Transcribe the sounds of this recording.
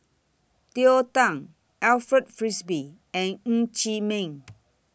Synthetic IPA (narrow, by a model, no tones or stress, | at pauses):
t̪iotãŋ | ɛlfɹɛtfɹisbi | ɛ̃nŋ̩̃t͡ʃimẽŋ